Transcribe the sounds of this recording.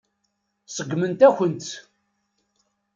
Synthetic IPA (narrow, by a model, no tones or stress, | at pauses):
səɡːmənt̪æçənt̪